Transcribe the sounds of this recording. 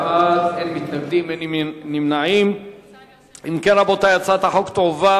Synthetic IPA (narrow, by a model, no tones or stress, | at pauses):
atenmit̪naɡd̪imennimnaʕim | imkenabot̪ajat͡sat̪aħokt̪ova